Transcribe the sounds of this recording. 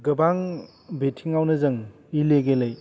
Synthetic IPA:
ɡɯbaŋ | betʰiŋawnɯzɯŋ | ileɡelɯj

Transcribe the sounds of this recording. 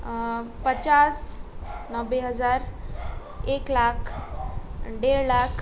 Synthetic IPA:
pət͡ɕas | nəʋeɦəd͡zaɾ | eklakʰ | ɖeɾlakʰ

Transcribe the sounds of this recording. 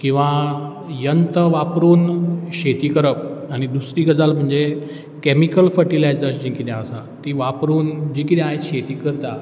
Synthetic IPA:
kĩw̃ʋa | jənt̪əʋapɾuːnɕet̪iːkəɾəp̚aɽ̃id̪usɾiːɡəd͡zalm̤əɳd͡ze | kemikəlfəʈilajd͡zəɾsd͡ʑĩkit̪ɛ̃əsã̰t̪iʋapɾuːnd͡ʑikit̪ɛ̃aɦeɕet̪iːkəɾt̪a̰

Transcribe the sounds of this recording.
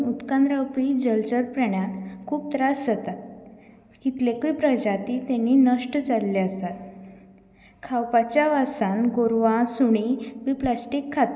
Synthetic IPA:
ut̪kãnd̪ɾawpid͡ʑəlt͡ɕəɾpɾəɳjakʰuːp̚t̪ɾasd͡zət̪at̪ | kit̪lekiːpɾəd͡ʑat̪it̪ɛ̃nːinəʂʈəd͡zalːeəst̪at̪ | kʰawpat͡ɕjaʋasanɡoɾʋasuɽ̃ibiplasʈikʰːat̪

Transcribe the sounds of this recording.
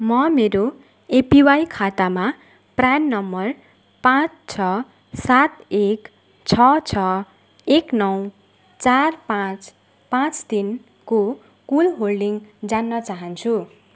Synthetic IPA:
mʌmeɾo | epiwajkʰat̪ama | pranːʌmːʌr | pãt͡st͡sʰʌ | sat̪ek | t͡sʰʌt͡sʰʌ | eknʌw | t͡sarpãt͡s | pãt͡st̪in | ko | kulɦolɖiŋd͡zanːʌt͡saɦʌnt͡sʰu

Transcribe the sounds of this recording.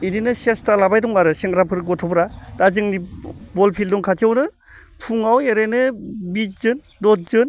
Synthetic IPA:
ininɯsestalabajdɔŋaɾɯseŋɾapʰɯɾɡɔtʰɔpɾad̥azɯŋnibɔlpʰildɔŋkʰatʰiawnɯ | pʰuŋaweɾejnɯbit̚zɯn | dɔt̚zɯn

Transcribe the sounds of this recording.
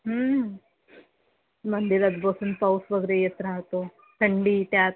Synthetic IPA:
ɦə | məɳd̪iɾəd̪bosuːnpawsʋəɡɾejet̪ɾaɦt̪o | ʈ̪ʰəɳɖiːt̪jat̪̚

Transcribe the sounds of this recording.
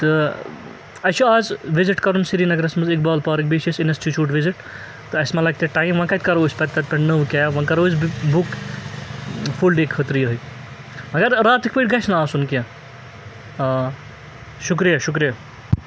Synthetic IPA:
t̪ɨ | ɐt͡ʃʰuaːzʋiziʈkɐɾunsiɾiːnɐɡɐɾɐsmɐzik̚baːlpaːɾik̚biʃisinɐsʈʰit͡ʃuːʈʋiziʈ | t̪ɨɐsmɐlak̚t̪ʲeʈaːjmʋãkɐt̪ʲkɐɾoːsʲpɐt̪̚ʲt̪ːɐt̪̚ʲpʲɐɳnɐʋkʲajʋɐ̃kɐɾoːsbuk | fʰulɖekʰət̪ɾijɐɦɨj | mɐɡɐɾɾaːt̪ikʲpəʈʲɡɐsʰnɐaːsunkjã | ʃuk̬ɾijaʃuk̬ɾija

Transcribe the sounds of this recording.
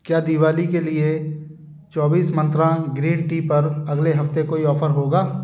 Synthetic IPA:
kjaːd̪iʋaːlikelie | t͡ʃɔːbiːsmɐ̃nt̪ɾãɡɾiːnʈiːpɐɾɐɡleɦɐft̪ekoːiɔːfʰəɾɦoːɡaː

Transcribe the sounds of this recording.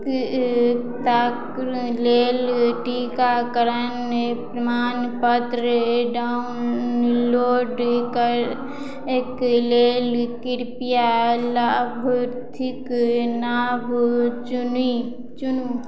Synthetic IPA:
k | t̪aːkɾleːlʈikakəɾənepɾɐmaːnpət̪ɾəɖaːnloːɖkəɾ | ekleːlkɪɾpijalaːbʱɾt̪ʰɪknaːbt͡ʃuni | t͡ʃunu

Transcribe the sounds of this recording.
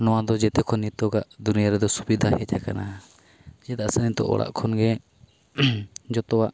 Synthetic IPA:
nɔwad̪ɔd͡ʒɛt̪ɛkʰɔnːit̪ɔɡaʔd̪unijaɾɛd̪ɔsubid̪ʱahɛt͡ʃʰakana | d͡ʒɛt̪aʔsənit̪ɔ̰ʔɔ̰ɽa̰ʔkʰɔnɡɛ | d͡ʒɔt̪ɔwaʔ

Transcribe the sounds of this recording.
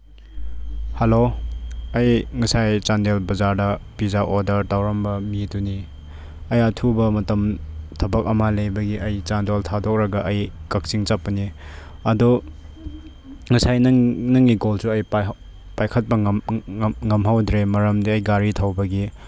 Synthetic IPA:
hɐlo | ɐjŋɐsajt͡ʃandelbɐzaɾdɐpizaʔodɐɾtawɾɐmbɐmituni | ɐjɐtʰubɐmɐtɐmtʰɐbɐk̚ɐmalejbɐɡiɐjt͡ʃandoltʰadɔk̚ɾɐɡɐʔɐjkɐk̚siŋt͡ʃapɐni | ɐdɔ | ŋɐsajnɐnɐŋːiɡolsuɐj | pajkʰɐt̚pɐ | ŋɐmɦawdɾemɐɾɐmdiɐjɡaɾitʰawbɐɡi

